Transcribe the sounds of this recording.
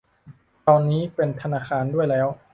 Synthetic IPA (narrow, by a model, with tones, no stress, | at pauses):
t̪ɔː˧nːiː˦˥pe˧nt̪ʰa˧naː˧˩xʰaː˧ndu˥˩əjlɛː˦˥w